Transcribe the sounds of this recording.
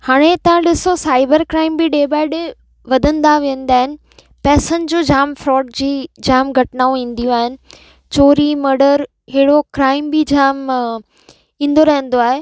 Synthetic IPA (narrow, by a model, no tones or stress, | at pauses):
haːɽ̃et̪ɐʋ̤ãɗɪsosaːɪbəɾkɾaːɪ̃mbɪɗeːbaːɪɖ | ʋɐd̪ʱə̃nd̪aʋiːə̃nd̪aːɦɪnɪ̆ | pɛːsənɪ̆d͡ʑoːd͡ʑaːmfɾɔːʈ̚d͡ʑiːd͡ʑaːmɡʱɐʈɪnaːũĩːn̆d̪ijũaːɦɪnɪ̆ | t͡ɕoːɾiməɾɖəɾ | ɦeɪɽokɾaːɪmbɪd͡ʑaːm | ĩːn̆d̪oɾɐɦə̃n̆d̪oaːɦe